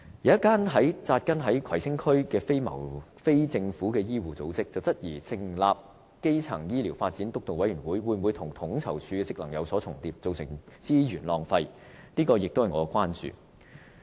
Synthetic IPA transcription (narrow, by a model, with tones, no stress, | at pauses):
jwjɐ˥t̚kːaː˥nɦɐ˨˥jt͡saː˧t̚kɐ˥nɦɐ˨˥jkʰɐ˨˩jsɪ˥ŋkʰɵ˥ɥkɛː˧fe˥jmɐ̰˨˩wfe˥jt͡sɪ˧ŋfuː˨˥kɛː˧jiː˥wuː˨t͡so˨˥wt͡sɪ˥k̚t͡sɐ˨wt͡sɐ˥t̚jiː˨˩sʰɪ˨˩ŋlaː˨p̚ | ke˥jt͡sʰɐ˨˩ŋjiː˥liː˨˩wfaː˧t̚t͡siː˨˥nt̪ʊ˥k̚t̪o˨˩wɐ˨˥jɥyː˨˩nwuː˨˥jwuː˨˧˩mwu˨˧jt̪ʰʊ˨˩ŋt̪ʰʊ˨˥ŋt͡sʰɐ̰˨˩wt͡ʃʰyː˧kɛː˧t͡sɪ˥k̚lɐ˨˩ŋjɐ˨˧wsɔː˨˥ʊ˨˩ŋt̪iː˧p̚t͡so˨wsɪ˨˩ŋt͡siː˥jyː˨˩nlɔː˨ŋfɐ˧j | niː˥kɔː˧jɪ˨k̚t̪o˥whɐ˨jŋɔː˨˧kwaː˥nt͡ʃy̰ː˨